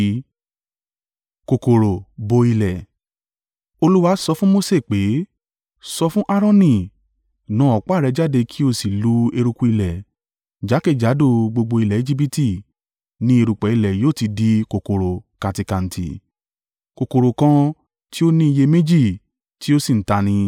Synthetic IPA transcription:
ko˨ko˨ɾo˨bo˧i˧lɛ˨ | o˧lu˦wa˧˦sɔ˧fũ˦mo˦se˦˨k͡pe˨˦ | sɔ˧fũ˦ʔa˦ɾɔ̃˦nĩ˦˨ | nã˨˦ɔ˨k͡pːɾɛ˧d͡ʒa˦de˧kʰi˦o˧si˨lu˨˦e˧ɾu˧ku˧i˧lɛ˨ | d͡ʒa˨˦ke˦˨d͡ʒa˨˦do˦˨ɡ͡bo˧ɡ͡bo˧i˧lɛ˨e˦d͡ʒi˦p̬i˧ti˦˨ | nĩ˦e˧ɾu˨k͡pɛ˨˦i˧lɛ˨joː˦˨ti˧di˧˦ko˨ko˨ɾo˨ka˨˧ti˧kã˨n̩˨tʰḭ˨ | ko˨ko˨ɾo˨kã˧ | ti˦o˦nĩ˦i˧je˧mẽ˦d͡ʒi˦˨ | ti˦o˦si˦˨n̩˨ta˧nĩ˧

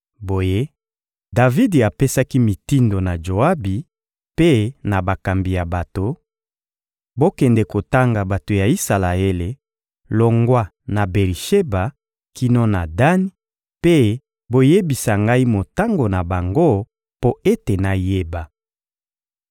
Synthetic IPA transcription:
bo˨je˦ | da˨vi˦di˨a˨pe˦sa˦ki˦mi˨ti˦ndo˨na˨ʒo˨a˦bi˨ | pe˦na˨ba˨ka˨mbi˨ja˨ba˨to˨ | bo˦kɛ˨ndɛ˨ko˨ta˦ŋɡa˨ba˨to˨ja˨i˦sa˨la˨e˦le˨ | lo˨ŋɡwa˦ | na˨be˨ʁi˨ʃe˦ba˨ | ki˦nɔ˦na˨da˦ni˦ | pe˦ | bo˦je˦bi˨sa˨ŋɡa˦i˦mo˨ta˦ŋɡo˨na˨ba˨ŋɡo˦ | po˦e˦te˨na˨je˦ba˨

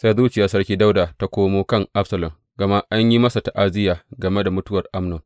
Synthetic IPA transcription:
sa˦jzuː˦t͡ʃɪ˨jaː˨sɐ˦rkʲiː˦da˦wdaː˨ta˦kʷoː˦moː˦kɐ˦ŋʔa˦ɸsɐ˨lɐ˨m | ɡ̥ɐ˨ma˦ʔa˦ɲji˦mɐ˦sa˨ta˨ʔa˦zɪ˦jaː˨ɡɐ˨me˦da˨mʊ˦tʊ˦wɐ˨rʔa˦mnʊ˨ŋ

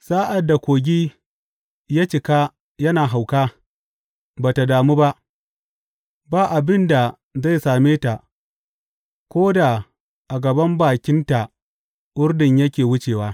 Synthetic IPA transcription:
saː˦ʔa˨dːa˨kʷoː˨ɡʲiː˦ | jaː˦t͡ʃɪ˨ka˦ | jɐ˦naː˨ɦa˨wkaː˦ | baː˨ta˨daː˨mu˦ba˦ʔ | baː˦˨ʔa˨bɪ˦nda˨ | za˦˨jsaː˨meː˦ta˨ʔ | kʷoː˦da˨ | ʔa˨ɡɐ˨bɐ˦mbaː˨kʲɪ˦nta˨ | ʔʊ˦rdɪ˨ɲjɐ˦kʲeː˨wʊ˦t͡ʃeː˨waː˦

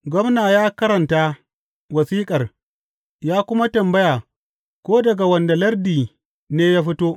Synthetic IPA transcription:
ɡʷɐ˦mnaː˨jaː˦kɐ˦ɾɐ˨ntaː˦ | wɐ˨siː˦kʼɐ˨r | jaː˦kʷʊ˦ma˦tɐ˨mbɐ˦jaː˨ | kʷoː˦dɐ˨ɡa˨wɐ˨nda˨lɐ˦rdiː˨ | neː˦jaː˦ɸɪ˦toː˦

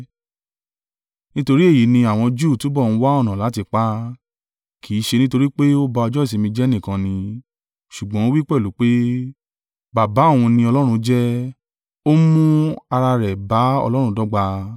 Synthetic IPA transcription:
nĩ˦to˧ɾi˦e˦˨ji˨˦nĩ˧a˨w̃ɔ̃˧d͡ʒuː˦˨tu˨˦bɔ˦˨ñ̩˦wa˦ɔ˦˨nã˨la˨˦ti˧k͡pa˦ | kʰi˨˦ʃe˧nĩ˦to˧ɾi˦k͡pe˦o˦ba˧ɔ˧d͡ʒɔ˦i˨si˨˧mĩ˧d͡ʒɛ˦nĩ˦˨kã˧nĩ˧ | ʃu˨ɡ͡bɔ̃˨˦o˦wi˦k͡pɛ˦˨lu˨˦k͡pe˦ | ba˨ba˨˦˨w̃ũ˧nĩ˧ɔ˧lɔ˦ɾ̃ũ˧d͡ʒɛ˦ | o˦mũ˦a˧ɾa˧ɾɛ˨ba˨˦ɔ̰˧lɔ˦ɾ̃ũ˧dɔ˦ɡ͡ba˧

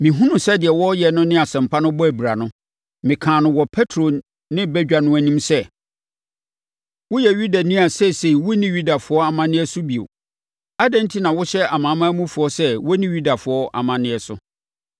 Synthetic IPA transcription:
mɪ̃˨ɦũ˦nʊ̃˨sɛ˦dɪ˨ɛ˨wɔ˦jɛ˨nʊ̃˦nɪ̃˦a˨sɛ̃˨m̩˨pʰa˦nʊ̃˦bɔ˦æ˨bi˨ɾa˨nʊ̃˦ | mɪ̃˨kʰãː˨nʊ̃˦wɔ˨pʰɛ˦tʰɾo˨ | nɪ̃˦bɛ˦d͡ʑᶣa˨nʊ̃˦æ˦nĩ˦msɛ˦ | wʊ˦jɛ˨ɥu˦da˨nĩ˦a˨sɛ˦se˨i˨wʊ˦nĩ˦ɥu˦da˨fʊ˨˦ɔ˦a˨mã˦nɪ̃˦ɛ˦sʊ˦bi˨o̰˨ | a˦dɛ̃˦n̩˦tʰi˦nã˨wʊ˦ɕɛ˦a˨mã˨˦mã˦mũ˦fʊ˨ɔ˦sɛ˦wɔ˦nĩ˦ɥu˦da˨fʊ˨˦ɔ˦ʔa̰˨mã˨nɪ̃˦ɛ˨sʊ̰˦

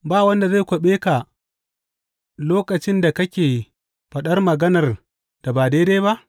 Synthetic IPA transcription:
baː˦˨wɐ˦nda˨zaː˦˨kʷɐ˨ɓeː˦ka˨ | loː˦kɐ˨t͡ʃɪ˦nda˨kɐ˦kʲeː˨ | ɸɐ˨ɗɐ˦rmɐ˨ɡɐ˦nɐ˨r | d̥a˨baː˨deː˦deː˦ba˦ʔ

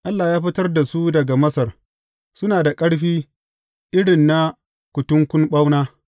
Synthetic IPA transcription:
ʔa˦lːaː˨jaː˦ɸɪ˦tɐ˦rda˨su˦dɐ˨ɡa˨mɐ˦sɐ˨r | sʊ˦naː˨da˨kʼɐ˦ɽɸiː˦ | ʔɪ˦ɽɪ˨nːa˦ | kʷʊ˨tʊ˦ŋkʷʊ˦nɓa˦wnaː˦

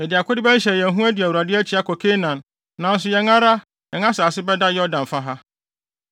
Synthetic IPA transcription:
ɛ˨dɪ˨a˨kʰʊ˦dɪ˦bɛ˦n̩˦ɕɛ˨jɛ̃˨ɦũ˦æ˦di˨æ˨wu˨ɾa˨dɪ˦æ˦t͡ɕʰi˦a˦kʰɔ˨kʰe˦nã˨n | nã˨n̩˦s̬ʊ˨jɛ˨ŋã˦ɾa˦ | jɛ˨ŋ˦ã˦saː˨sɪ˦bɛ˦da˦jɛ˦ɔ˦dã˨ɱ˨fa˦ɦa˦

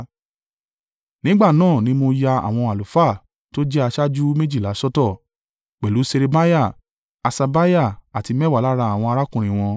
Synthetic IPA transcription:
nĩ˨˦ɡ͡ba˦˨nãː˦˨nĩ˧˦mo˧ja˧a̰˨w̃ɔ̃˧a˨lu˨fa˦˨ | to˦d͡ʒɛ˦a˧ʃa˦d͡ʒu˦me˦d͡ʒi˦˨la˨˦sɔ˦tɔ˦˨ | k͡pɛ˨lu˨˦se˧ɾe˧ba˦ja˦˨ | a˧sa˧ba˦ja˦˨a˨ti˧mɛ˦wa˦˨la˨˦ɾa˧a˨w̃ɔ̃˧a˧ɾa˦kũ˨ɾ̃ĩ˨w̃ɔ̃˧

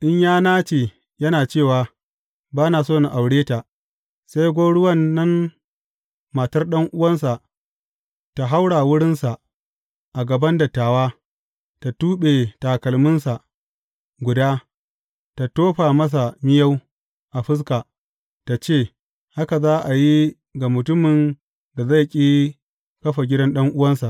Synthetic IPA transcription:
ʔɪ˦ɲjaː˦naː˦t͡ʃeː˨ | jɐ˦naː˨t͡ʃeː˦˨waː˨ | baː˦naː˨soː˦˨na˨ʔa˨wɽeː˦ta˨ | sa˦jɡʷoː˦ɽʊ˦wɐ˦nːɐ˦n | maː˨tɐ˦rɗɐ˦ŋʔʊ˦wɐ˦ns̬a˨ʔ | ta˨ɦa˦wɽaː˨wʊ˦ɽɪ˦nsa˨ | ʔa˨ɡɐ˨bɐ˦ndɐ˨tːaː˨waː˦ | ta˨tuː˦ɓe˨taː˨kɐ˨lmɪ˦nsa˨ʔ | ɡʷʊ˨daː˦ | ta˨toː˦ɸaː˨mɐ˦s̬a˨mɪ˦jɐ˦w | ʔa˨ɸɪ˦s̬kaː˨ | ta˨t͡ʃeː˦˨ | ha˦ka˨zaː˦ʔa˨ji˦ | ɡa˨mʊ˨tʊ˦mɪ˨n | da˨za˦˨kʲʼiː˦ | kɐ˦ɸa˨ɡʲɪ˦dɐ˦nɗɐ˦ŋʔʊ˦wɐ˦nsa˨ʔ

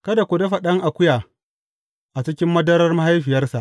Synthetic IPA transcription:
kɐ˦da˨kʷʊ˨de˦ɸɐ˨ɗɐ˦ŋʔa˨kʷʊ˦jaː˨ | ʔa˨t͡ʃɪ˦kʲɪ˦mːɐ˦dɐ˦ɾɐ˦rma˦ha˦jɸɪ˨jɐ˦rsa˨ʔ

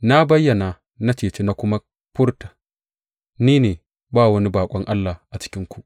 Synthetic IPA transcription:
na˦bɐ˦jːɐ˨na˨ | na˦t͡ʃeː˨t͡ʃeː˦na˨kʷʊ˦ma˦ | ɸʊ˦ɽta˨ | niː˦neː˨ | baː˦˨wɐ˦ni˦baː˨kʷʼɔ˦ŋʔa˦lːaː˨ʔa˨t͡ʃɪ̥˦kʲɪ˦ŋkʷu˨ʔ

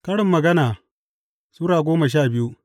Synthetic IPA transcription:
kɐ˦ɽɪ˨mːɐ˨ɡɐ˦naː˨ | suː˦ɾaː˨ɡʷoː˦mɐ˨ʃ̬aː˦˨bɪ˦ju˦

